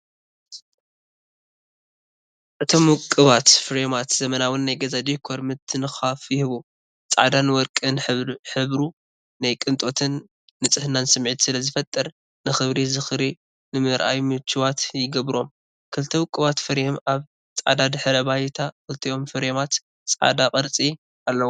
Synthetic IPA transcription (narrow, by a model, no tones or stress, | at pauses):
ʔɨt̪ʰo̞mwʊkʼːɨβat̪fɨɾemat̪z̥ɐmɐnawɨnːajɡɐzad̪ikʰoɾmɨt̪ʰːɨnɨxafjɪhɨβu | t͡sʼa̰d̪anwɔɾkʼɨnħɨβɾu | najkʼɨnt̪ʼo̞t̪ʰɨnː | ɨt͡sʼɨhɨnansɨmʕit̪sɨlɐzɨfɐt̪ʼːɐɾ | nɨxɨβɾizɨxɾi | nɨmɨɾʔajmɨt͡ʃʰiwat̪jɪɡɐβɾo̞m | kʰɨlt̪ʰɐwʊkʼːɨβat̪fɨɾemaβ | t͡sʼa̰d̪ad̪ɨħɨɾɐβajt̪ʰakɨlt̪ʰɐjo̞mfɨɾemat̪ | t͡sʼʕa̰d̪akʼɐɾt͡sʼi | ʔalːɐwu